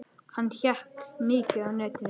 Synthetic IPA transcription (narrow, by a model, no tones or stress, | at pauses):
hanːçahknɪːcʏawnœːt̪ɪ